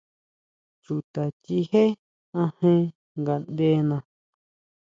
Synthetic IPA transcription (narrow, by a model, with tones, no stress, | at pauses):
t͡ʃu˨t̪a˨t͡ʃi˧he˦ | ã˧hẽ˦ | ŋɡa˨nd̪e˦nã˧